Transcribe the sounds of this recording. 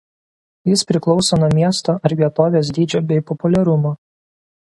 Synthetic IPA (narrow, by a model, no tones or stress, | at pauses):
jɪspʲɾʲɪklˠɒʊsoːnuɔmʲiɛst̪oːʔɐɾʋʲiɛt̪oːʋʲeːs̬d̪ʲiːd͡ʒʲoːbʲɛɪpɔpʊlʲɛɾʊmoː